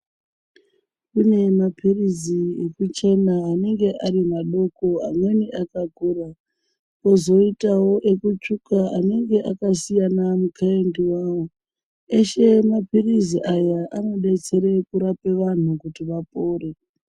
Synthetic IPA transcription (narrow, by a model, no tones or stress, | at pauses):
kune̞mapʰiriziekut͡ʃe̞naːne̞ŋɡe̞ʔaɾimaɗo̞ko̞a̰mwe̞niʔakakuːra | kozo̞itawo̞ʔe̞kut͡ʃukaane̞ŋɡe̞ʔakasijanamukaendiwaːwo | eʃe̞mapiriziʔajaʔano̞ɗe̞t͡se̞ɾe̞kuɾape̞ʋan̤ukutiʋapo̞ːre̞